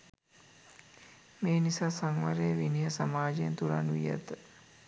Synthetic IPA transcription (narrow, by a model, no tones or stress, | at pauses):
meːnisaːsaŋʋaɾeʋiniɦəsamaːd͡ʒejent̪uɾa̰nuḭjə̰t̪ə